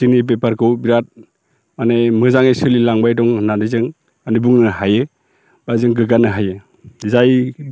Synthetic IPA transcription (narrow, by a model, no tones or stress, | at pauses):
inib̬epaɾkʰɯwbiɾat̚ | manemɯzaŋesɯlilaŋbajdɔŋnanizɯŋ | manebuŋnɯhajɯ | bazɯŋɡɯɡanɯɦajɯ | zaj